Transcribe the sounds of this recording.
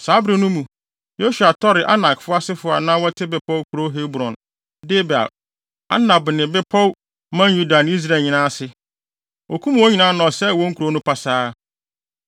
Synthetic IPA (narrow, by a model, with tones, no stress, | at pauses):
saː˨˦bɾɪ˦nʊ̃˦mũ˨ | jo˦su˨a˨tʰɔ˦ɾɪ˨ʔa˦na˨kfʊ˦a˦sɪ˦fʊ˨a̰˨nã˦wɔ˦tʰɪ˦bɛ˨pʰɔ˦wkʰu˨ɾo˦ɦe˦bɾɔ̃˨n | dɪ˦ba̰˨ | a̰˦nã˨bnɪ̃˨bɛ˦pʰɔ˦w | mã˦ju˦da˨n˦i˦s̬ɾa˦˨ɲɪ̃˨nãː˦sɪ˦ | o˨kʰũ˦m˨wɔ˦ɲi˨nã˦nɔ̃˨sɛ˦˨wɔ̃˦ŋ̩˦kʰu˨ɾo˦nʊ̃˦pʰa˨saː˦